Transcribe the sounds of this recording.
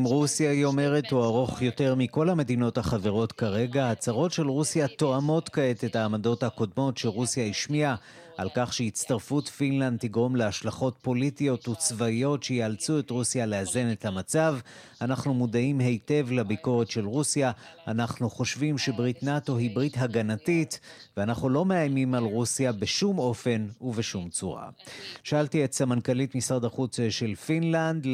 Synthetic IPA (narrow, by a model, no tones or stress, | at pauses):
imʁusjajo̞me̞ʁe̞thuaʁo̞χjo̞te̞ʁmiko̞lhame̞dino̞thaχave̞ʁo̞tkaʁe̞ɡaat͡saʁo̞tʃe̞lʁusjato̞amo̞tkae̞te̞taːmado̞thako̞dmo̞tʃeʁusjaiʃmia | ʔalkaχʃeit͡staʁfutfinland̪̚tːiɡʁo̞mleaʃlaχo̞tpo̞litijo̞tut͡svaio̞tʃejealt͡sue̞tʁusjaleaze̞ne̞thamat͡sav | anaχnumudaimɦe̞jte̞vlabiko̞ʁe̞tʃe̞lʁusjaanaχnuχo̞ʃvimʃe̞bʁitnato̞ɦibʁitɦaɡanatitveanaχnulo̞meajmimalʁusjabeʃumo̞fe̞nuveʃumt͡suʁa̰ʃaaltietsamankalitmisaʁd̪aχut͡sʃe̞lfinland̪